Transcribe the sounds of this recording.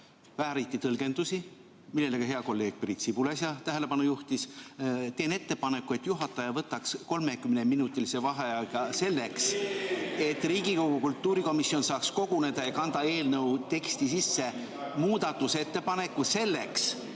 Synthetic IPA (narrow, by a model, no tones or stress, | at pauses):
væɦæɾit̪ːˑit̪ɤlɡe̞nd̪̥usi | milːe̞lekɑɦe̞ɑko̞lːe̞ːɡ̥̚prit̪sibulesjɑt̪æɦele̞pɑnujuht̪ist̪e̞ːne̞t̪ːe̞pɑne̞kːˑue̞t̪ːjuɦɑt̪ˑːɑjɑvɤt̪ːˑɑksko̞lme̞kymneminut̪ːˑilisevɑɦejɑɡ̥ɑse̞lːe̞ks | e̞t̪ːˑriːɡiko̞ɡ̥ukult̪ːˑuːɾiko̞misjonsɑːksko̞ɡ̥une̞d̪̥ɑjɑkɑnd̪̥ɑe̞ːlnɤuwt̪e̞kst̪isisːe̞ | muːd̪̥ɑt̪ːuset̪ːe̞pɑne̞kːˑuse̞lːe̞ks